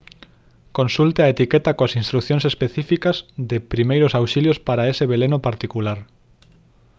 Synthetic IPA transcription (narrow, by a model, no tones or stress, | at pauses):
konsult̪eaet̪ikɛt̪akoasinst̪ɾukθjoŋsespeθifikɐzðɪpɾimejɾosawʃiljospaɾaeseβelenopaɾt̪ikulaɾ